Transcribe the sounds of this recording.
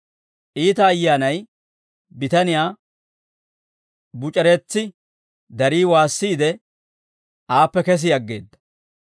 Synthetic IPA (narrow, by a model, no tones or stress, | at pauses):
ʔiːt̪ɐːjːaːnɐj | bɪt̪ɐnɪjaː | bʊt͡ʃʼɛɾɛt͡sːɪ | d̪ɐɾiːwaːsːiːd̪ɛ | ʔaːpːɛkɛs̬ɪjɐɡːe̞̰ːd̪ːɐ̥